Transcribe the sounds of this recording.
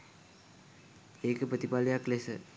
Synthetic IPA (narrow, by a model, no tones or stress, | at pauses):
eːkəpɾət̪ipalejaklesə